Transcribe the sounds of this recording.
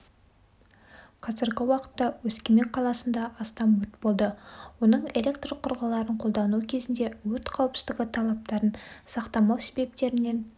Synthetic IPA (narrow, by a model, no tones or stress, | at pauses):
qʰɑzɪɾɡʲɪwɑqə̥t̪ːɑwɵskʲeme̞kqʰːɑlˠɑsənd̪ɑʔːst̪ɑmwɵɾt̪bo̞lˠd̪əwo̞nəɴe̞lʲe̞k̚t̪rqʰʊɾʁɑlˠɑɾəɴqʰo̞lˠd̪ɑnukʲʰe̞zɪnd̪e̞wɵɾt̪qʰɑwəpsə̥zd̪ɪɡʲɪt̪ʰɑlˠɑp̚t̪ɑɾənsɑqt̪ɑmɑwse̞be̞p̚t̪e̞ɾɪne̞n